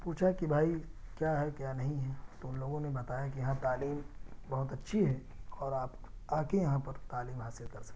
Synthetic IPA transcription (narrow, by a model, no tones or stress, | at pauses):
puːt͡ʃʰakibʱaːikjaːɦɛkjaːnɐɦĩɦɛt̪oʊnloːɡõnebɐt̪aːjakijɐɦãt̪aːliːmbɐɦʊt̪ɐtːʃʰiɦɛ | ɔːɾaːp | aːkejɐɦãpɐɾt̪aːliːmɦaːsɪlkɐɾsɐ̥k̪̚ːe̥